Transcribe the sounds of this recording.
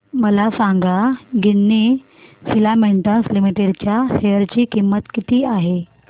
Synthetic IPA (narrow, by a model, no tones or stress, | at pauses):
məlasãŋɡaɡinːi | filameɳʈə̃nslimiʈeɽt͡ɕjaɕeəɾt͡ɕiːkimːət̪kit̪ʰiːaɦe